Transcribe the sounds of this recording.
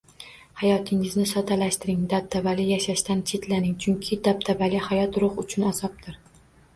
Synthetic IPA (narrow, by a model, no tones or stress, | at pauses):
hajɒt̪ʰɪŋɪznɪsɒt̪ʰalaʃt̪ɪɾɪŋd̪ab̚t̪ʰabalɪjaʃaʃt̪ant͡ʃʰe̞t̪ʰlanɪŋt͡ʃʰʊŋkʲʰɪd̪ab̚t̪ʰabalɪhajɒt̪ɾʊχʊt͡ʃʰʊnaz̥ɒp̚t̪ʰɪɾ